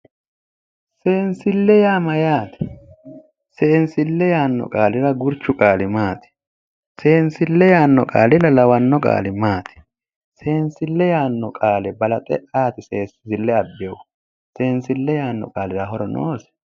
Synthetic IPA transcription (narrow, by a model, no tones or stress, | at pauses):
seːnsɪlːɛjaːmɐjaːt̪ɪ̥ | se̞ːnsɪlːɛjaːnːɔ̰kʼaːlɪɾɐɡʊɾt͡ʃːʊkʼaːlɪmaːt̪ɪ̥ | se̞ːnsɪlːɛjaːnːɔkʼa̰ːlɪlɐlɐwɐnːɔkʼa̰ːlɪmaːt̪ʰɪ̥ | se̞ːnsɪlːɛjaːnːɔkʼaːlɛbɐlɐt̪ʼɛ̰ʔaːt̪ɪseːsɪzɪlːɛɐbːew | se̞ːnsɪlːɛjaːnːɔ̰kʼaːlɪɾɐɦɔɾɔnʔo̰ːsɛ̥